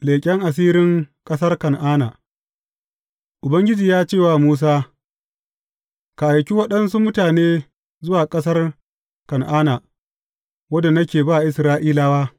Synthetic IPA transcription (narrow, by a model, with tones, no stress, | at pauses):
leː˨kʲʼɛ˦ŋʔa˨s̬iː˦ɾɪ˦ŋkʼɐ˦sɐ˦rkɐ˨nʔaː˦na̰ː˨ | ʔʊ˨bɐ˦ŋɡʲɪ˦d͡ʒiː˨jaː˦t͡ʃeː˦˨waː˨muː˦s̬aː˦ | ka˨ʔa˨jkʲi˦wɐ˦ɗɐ˦nsu˦mʊ˦taː˨neː˦ | zʊ˦waː˨kʼɐ˦s̬ɐ˦r | kɐ˨nʔaː˦na˨ | wɐ˦da˨nɐ˦kʲeː˨baː˦ʔɪ˨sɾaː˦ʔiː˦laː˦waː˦